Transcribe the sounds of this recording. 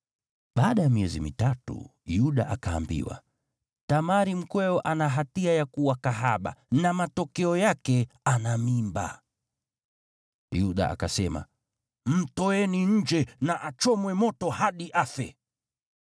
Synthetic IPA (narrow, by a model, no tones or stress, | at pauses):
ɓaːɗajamiɛzimitatṵjuɗa̰ʔakaːmbḭwa̰ | tamaɾim̩kwɛɔʔanaɦatiajakuwakaɦaɓa̰namatɔkɛɔjakɛanamimba̰ | juɗa̰a̰kasɛma̰ | mm̩tɔɛniɲ̩d͡ʒɛnaʔat͡ʃɔmwɛmɔtɔhaɗiʔafɛ